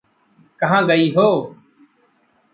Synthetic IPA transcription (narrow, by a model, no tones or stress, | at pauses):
kəɦãːɠəiːɦoː